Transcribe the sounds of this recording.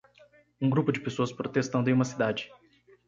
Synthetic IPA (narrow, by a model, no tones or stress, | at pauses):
ũɡɾupʊd͡ʒɪpesoɐspɾot̪est̪ɐ̃nd̪ʊẽumɐsid̪ad͡ʒɪ